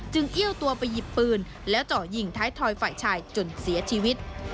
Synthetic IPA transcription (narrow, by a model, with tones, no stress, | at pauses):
t͡ɕɯ˧ŋʔi˥əwt̪u˧ɐpa˧jːi˨˩pːɯː˧n | lɛː˦˥wt͡ɕɔː˨˩ji˨˩ŋt̪ʰaː˦˥jt̪ʰɔː˧jfaː˨˩jt͡ɕʰaː˧jt͡ɕo˨˧˩nsi˨˩˦ɐt͡ɕʰiː˧wi˦˥t̪̚